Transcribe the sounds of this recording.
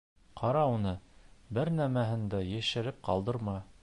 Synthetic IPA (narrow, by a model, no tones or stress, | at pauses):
qʰɑɾɑunɤbɘɾnæmæɦɘ̆nd̪æjæ̆ʃɘ̆ɾɘp̚qɑ̰lˠd̪ɤ̆ɾmɑ